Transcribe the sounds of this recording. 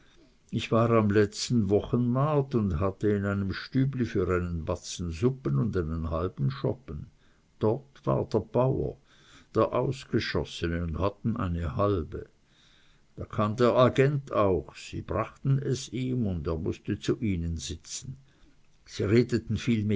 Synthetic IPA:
ɪçv̥aːʁamlɛt͡stn̩vɔχənmaɐtʊndɦatəɪnaɪnəmʃtyːblifyːʁaɪnənbat͡sn̩zʊpənʊndaɪnənhalbn̩ʃɔ̰pən | d̥ɔtv̥a̰ːɐd̥eːɐb̥aʊɐ̰ | d̥eːɐʔa̰ʊsɡ̥əʃɔsənəʊndhatn̩ʔa̰ɪnəhalbə̰ | d̥aːkʰaːmdeːɐʔaɡɛntʰaʊxsḭːb̥ʁaχtn̩ɛsiːmʊndeːɐmʊ̰stət͡suʔiːnənzɪt͡sn̩ | z̥iːʁeːdətn̩fiːlme

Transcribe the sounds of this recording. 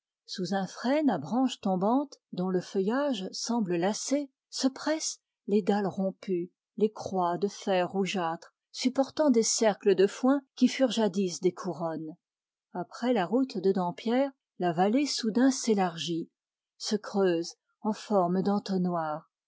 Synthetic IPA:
suzɛ̃fχɛnabʁɑ̃ʃt̪ɔ̃bɑ̃t̪d̪ɔ̃ləfəjaʒsɑ̃bləlase | səpχɛs | led̪alʁɔ̃py | lekχwad̪əfɛʁːuʒat̪χ | sypɔʁt̪ɑ̃d̪esɛʁkləd̪əfwɛ̃kʲifyʁʒad̪isd̪ekʰuʁɔn | apχɛlaʁut̪d̪əd̪ɑ̃pjɛːʁ | lavalesud̪ɛ̃selaʁʒi | səkχøːz | ɑ̃fɔʁmd̪ɑ̃t̪onwaːʁ

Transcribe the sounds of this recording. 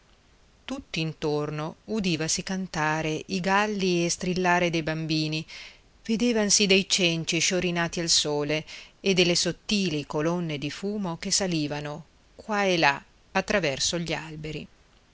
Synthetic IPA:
t̪ut̪ːiːnt̪ornoud̪iːvasikant̪aːɾeʔiɡalːiest̪ɾilːaːɾed̪ejbambiːni | ved̪eːvansid̪ejt͡ʃɛnt͡ʃiʃoɾinaːt̪ialsoːleed̪ːelesot̪ːiːlikolonːed̪ifuːmok̟esaliːvano | kwaela | at̪ːɾavɛrsoʎialbeɾḭ

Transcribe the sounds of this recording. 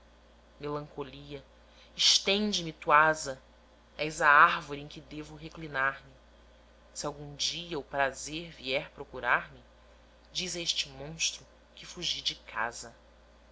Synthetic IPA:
melɐ̃ŋkoliɐ | ɪʃt̪ẽnd͡ʒɪmɪt̪uazɐ | ɛjzɐaɾvoɾiẽkɪd̪evʊɦeklinaɾmɪ | siawɡũd͡ʒiɐupɾazeɾviɛɾpɾokuɾaɾmɪ | d͡ʒizɐeʃt͡ʃɪmõʃt̪ɾʊ | kɪfuʒid͡ʒɪkʰa̰zɐ

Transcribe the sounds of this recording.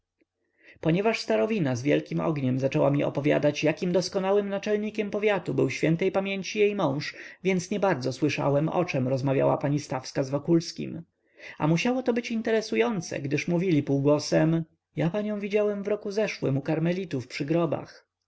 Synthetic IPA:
pɔɲɛvaʂst̪aɾɔvʲinazvʲjɛlkʲimɔ̰ɡɲɛmzat͡ʂɛwamʲiɔ̰pɔvʲja̰d̪at͡ɕjakʲimd̪ɔskɔnawɘmnat͡ʂɛlɲikʲɛmpɔvʲjat̪ubɘwɕfʲjɛnt̪ɛjpamʲjeɲt͡ɕijejmɔ̃w̃ʂvʲjɛnt̪sɲɛbaɾd̪zɔswɘʂa̰wɛmɔ̰t͡ʂɛmɾɔzmavʲja̰wa̰paɲist̪afskazvɔkulskʲḭm | a̰muɕawɔt̪ɔbɘt͡ɕint̪ɛɾɛsujɔnt̪sɛ̰ɡd̪ɘʂmuvʲilʲipuwɡwɔsɛm | japaɲɔ̃w̃vʲid͡ʑawɛmvɾɔkuzɛʂwɘ̰mukaɾmɛlʲit̪ufpʂɘɡɾɔba̰x

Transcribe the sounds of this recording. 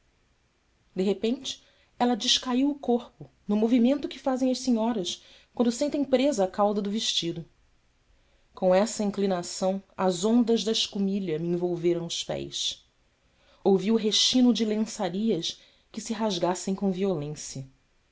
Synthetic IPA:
d̪eɦepẽnt͡ʃɪ̥ | ɛlɐd͡ʒɪʃkaiwʊkoɾpʊ | nʊmovimẽnt̪ʊkɪfazẽj̃ɐʃsiɲɔɾɐs | kwɐ̃nd̪ʊsẽnt̪ẽj̃pɾezɐːkawd̪ɐd̪ʊveʃt͡ʃid̪ʊ | kõw̃ɛsɐĩŋklinasɐ̃w̃ɐzõnd̪ɐʒd̪ɐɪʃkumiʎɐmiẽvowveɾɐ̃w̃ʊʃpɛ̰js | owviʊɦeʃt͡ʃĩnʊd͡ʒɪlẽsaɾiɐs | kɪsɪɦaʒɡasẽj̃kõviolẽsjɐ

